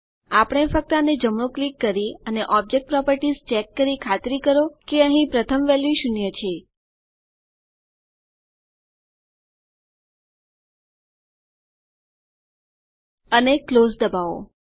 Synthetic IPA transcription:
apəɽ̃efək̚t̪əaned͡ʒəmɳõklikːəɾiəneʔɔb̚d͡ʒek̚ʈ̚pɾɔpəɾʈizt͡ʃɛkːəɾikʰat̪ɾikəɾokeəɦĩpɾət̪ʰəmʋɛljiʃunjet͡ʃʰe | ənekːlozd̪əbao̰

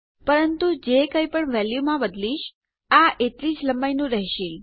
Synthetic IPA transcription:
pəɾənt̪ud͡ʒekəjpəɳʋɛljumãbəd̪liʃ | aʔet̪ɾid͡ʒləmbajnũɾəɦʃil

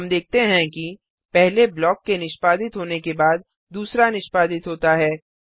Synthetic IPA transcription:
ɐmd̪eːk̚ʰt̪eɦɛ̃ki | pɛɦleblɔːkːenɪʃpaːd̪ɪt̪ɦoːnekebaːd̪ː | uːsɾanɪʃpaːd̪ɪt̪ɦoːt̪aɦɛː

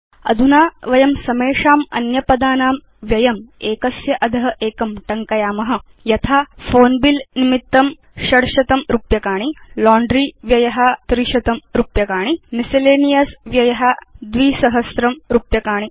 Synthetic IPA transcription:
ɐ̰d̪ʱunaːʋɐjɐmsɐmeːʂaːmɐ̰njɐpɐd̪aːnaːm | ʋjɐjɐmeːkɐsjɐʔɐd̪ʱɐɦɐʔeːkɐmʈɐŋkɐjaːmɐɦɐ̆ | jɐt̪ʰaːfoːnbilnimit̪ːɐm | ʃɐɽʃɐt̪ɐmɾupjɐkaːɳ̃ilɔːɳɖɾiːʋjɐjɐɦɐt̪ɾiʃɐt̪ɐmɾupjɐkaːɳ̃imisɐleːnijɐsʋjɐjɐɦɐd̪ʋiːsɐɦɐsɾɐmɾupjɐkaːɳ̃i

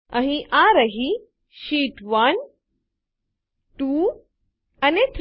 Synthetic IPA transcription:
ɐɦiʔãɾɐɦi | ʃiːʈʋɐn | ʈu | ɐnet̪ʰ

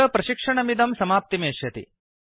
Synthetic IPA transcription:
ɐpɾɐʃikʂɐɳɐmid̪ɐmsɐmaːp̚t̪imeːʃjɐt̪ḭ

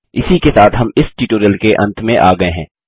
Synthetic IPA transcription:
ɪsikesaːt̪ɦɐmɪsʈiːʈoːɾjəlkeʔɐ̰̃nt̪ʰmẽʔaːɡɐeɦɛ̃ː

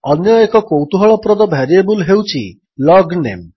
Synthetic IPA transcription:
ɔnjɔekɔkowt̪uɦɔɭɔpɾɔd̪ɔbʱɛɾiebulɦewt͡ʃʰi | lɔɡnḛm

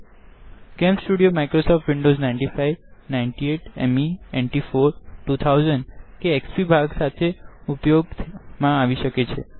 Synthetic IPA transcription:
kɛmsʈuɽijomajkɾosɔfʈʋɪɳɖoznajɳʈifajʋnaiɳʈieʈɛ̰mieɳʈifoɾʈut̪ʰawzəɳɖkeːkspibʱaɡsat̪ʰeupjoɡmãaʋiʃəket͡ʃʰḛ

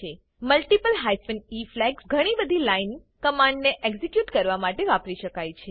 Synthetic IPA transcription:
e | məlʈipəlɦajfəniflɛɡsɡʱəɽ̃ibəd̪ʱilain | kəmãɳɖneʔeɡzekjuʈkəɾʋamaʈeʋapɾiʃəkajt͡ʃʰe

